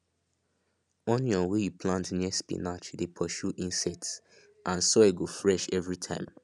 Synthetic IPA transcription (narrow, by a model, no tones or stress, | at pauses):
ɔ̃njɔwejupʰlãntniəspḭnat͡ʃdepʰɔʃuʔĩnsɛts | ʔãnsɔeɡofɹɛʃɛvɹitʰã̰ɪ̃m